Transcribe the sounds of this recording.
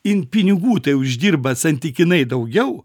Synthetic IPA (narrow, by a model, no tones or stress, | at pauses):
ɪnpʲɪnʲɪɡuːt̪ɐɪʊʒʲd̪ʲiːrbɐsɐnʲt̪ʲɪkʲɪnɐɪd̪ɐʊɡʲɛʊ